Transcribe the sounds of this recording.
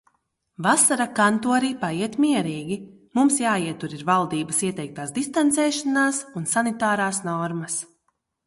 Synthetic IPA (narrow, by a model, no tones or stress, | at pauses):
vasaɾakant̪uɔɾiːpaiɛt̪miɛɾiːɡʲi | mumsjaːiɛt̪uɾiɾvalˠd̪iːbɐsiɛt̪ɛjk̚t̪aːsd̪ist̪ant̪sɛːʃanaːsunsanit̪aːɾaːsnɔɾmɐs